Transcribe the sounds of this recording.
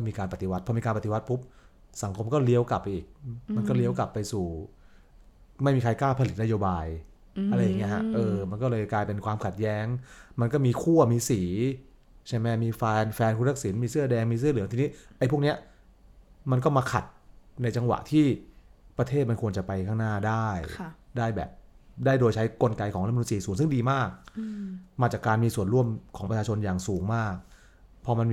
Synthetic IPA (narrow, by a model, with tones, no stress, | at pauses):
kɔ˥˩miː˧kaː˧npa˨˩t̪i˨˧wa˦˥t̪̚pʰɔ˧miː˧kaː˧npa˨˩t̪i˨wa˦˥t̪̚pʰu˦˥p̚ | sa˩˦ŋkʰo˧mkɔː˥˩li˦˥əwka˨˩p̚ːa˧ʔiː˨˩k̚ma˧nkɔː˥˩li˦˥əwka˨˩pːa˧jsuː˨˩ | ma˥˩jmiː˧kʰa˧jkaː˥˩wpʰa˧li˨˩na˦˥joː˧baː˧j | ʔa˧ɾa˧jːa˨˩ŋːi˦˥ɦa˦˥ʔɤː˧ma˧nkɔː˥˩lɤː˧jklaː˧jpe˧nkwaː˧mkʰa˨˩t̪̚jɛː˦˥ŋma˧nkɔː˥˩miː˧kʰu˥˩ɐmiː˧siː˩˦ | t͡ɕʰa˥˩jmɛ˦˥miː˧fɛː˧nfɛː˧nkʰuː˧˥t̪a˦˥k̚si˩˦nmiː˧sɯ˥˩ɐdɛː˧ŋmiː˧s̬ɯ˥˩ɐlɯ˩˦ŋt̪ʰi˧ni˦˥ʔa˧jpʰu˥˩k̚ni˦˥ɐ | ma˧nkɔː˥˩maː˧kʰa̰˨˩t̪̚na˧jt͡ɕa˧ŋwa̰˨˩ʔt̪ʰiː˥˩pɾa˧t̪ʰeː˥˩t̪̚ma˧nkʰu˧ənt͡ɕa˨˩pa˧jkʰaː˥˩naː˥˩daː˥˩jʰdaː˥˩jbɛ̰ː˨˩p̚daː˥˩jdoː˧jt͡ɕʰa˦˥jko˧nka˧jkʰɔː˩˦ʔɾm˧u˧nt͡ɕiː˧˩suː˩˦ŋsɯ˥˩ŋdiː˧maː˥˩k̚ | maː˧˩t͡ɕaː˨˩kːaː˧nmiː˧su˨˩ənɾu˥˩əmkʰɔː˩˦pɾt͡ɕʰaː˧t͡ɕʰo˧njaː˨˩ŋsuː˩˦ŋmaː˥˩k̚ | pʰɔ˧ma˧n